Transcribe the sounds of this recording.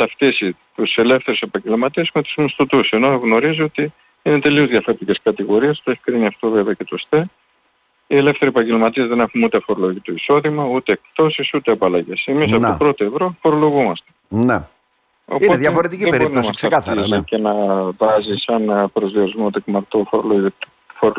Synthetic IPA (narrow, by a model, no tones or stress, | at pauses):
θɐft̪isit̪use̞le̞fθe̞ɾuse̞pɐɲɟe̞lmɐt̪iezme̞t̪u̥zmist̪ut̪use̞no̞ɣno̞ɾizio̞t̪i | ine̞t̪e̞liozðʝɐfo̞ɾet̪iceskɐt̪iɣo̞ɾiest̪oeçi̥kɾiniɐft̪o̞ve̞veɐce̞t̪o̞st̪e | ie̞le̞fθe̞ɾiepɐɲɟe̞lmɐt̪iezðe̞ne̞xunut̪efoɾo̞lo̞ʝit̪o̞iso̞ðimɐut̪e̞ːk̚t̪o̞sisut̪e̞ɐpɐlɐʝe̞semisɐpot̪oopɾo̞t̪oevɾo̞fo̞ɾo̞lo̞ɣumɐst̪ene | o̞̰ioeðʝɐfoɾet̪icieeɾbiɾnosstkseɐkɐθizice̞nɐvɐzisɐnpɾo̞zðio̞ɾizmot̪ekmɐɾt̪ofooo | foɾ